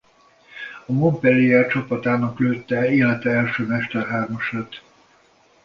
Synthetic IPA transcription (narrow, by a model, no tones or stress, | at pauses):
ɒmompɛliɛrt͡ʃɒpɒt̪aːnɒkløːt̪ːɛeːlɛt̪ɛɛlʃøːmɛʃt̪ɛrɦaːrmɒʃaːt̪